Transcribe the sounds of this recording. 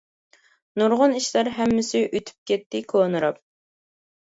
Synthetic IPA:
nuɾʁʊniʃlɑɾɦɛmːɪsɪʔøt̪ʰy̥p̚kʲɛt̪ʰːɪkʰoːnɨɾɑp̚

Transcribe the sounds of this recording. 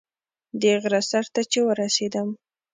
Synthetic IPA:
d̪eɣɾasaɾt̪at͡ʃewəɾased̪əm

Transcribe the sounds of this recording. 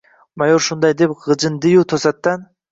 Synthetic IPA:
majoɾʃund̪ɑjd̪epʁɨd͡ʒɯnd̪ɨjut̪ʰosɑt̪ːɑn

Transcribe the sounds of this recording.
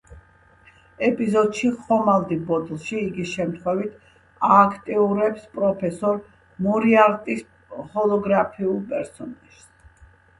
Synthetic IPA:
ɛpʼizɔd̪ʃiχɔmalˠd̪ibɔd̪lˠʃiːɡiʃɛmt̪ʰχwɛvit̪ʰ | aːkʰt̪ʼiuɾɛpspʼɾɔpʰɛsɔɾ | muɾiaɾt̪ʼis | hɔlˠɔɡɾapʰiulˠpʼɛɾsɔnaʒ̥s

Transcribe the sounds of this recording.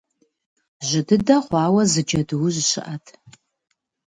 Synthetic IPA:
ʒɨdɨdɐχʷɑːwɐzɨd͡ʒɐdɨwʊʑɕɪ̰ʔɐtʰ

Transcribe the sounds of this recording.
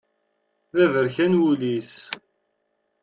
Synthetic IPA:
ðævəɾçænwulis

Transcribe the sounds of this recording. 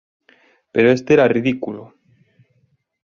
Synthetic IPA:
peɾoe̞st̪eeɾariðikulo

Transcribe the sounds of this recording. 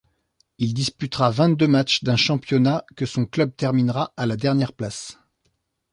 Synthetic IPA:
ild̪ispyt̪ʁavɛ̃t̪̚d̪ømat͡ʃd̪ɛ̃ʃɑ̃pjɔnakəsɔ̃klœb̚t̪ɛʁminʁaalad̪ɛʁnjɛʁplas

